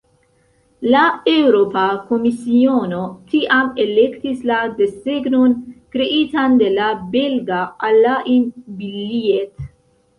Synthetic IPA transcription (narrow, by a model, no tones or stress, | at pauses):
laewɾopakomisionot̪ʰiʔamelekt̪islad̪esteɡnonkɾeʔit̪and̪e̞labelɡaːlaʔibiliet̪